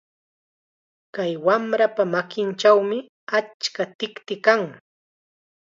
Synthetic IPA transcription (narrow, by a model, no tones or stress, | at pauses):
kajwamɾapamakɪnt͡ʃawmɪ | at͡ʃkat̪ɪkt̪ɪkaŋ